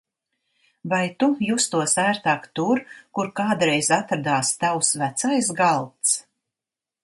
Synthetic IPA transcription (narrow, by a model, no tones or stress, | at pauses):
vajt̪ujust̪uɔsæːɾt̪aːkt̪uɾkuɾkaːd̪ɾɛjzat̪ɾad̪aːst̪awsvæt̪sajsɡalˠt̪s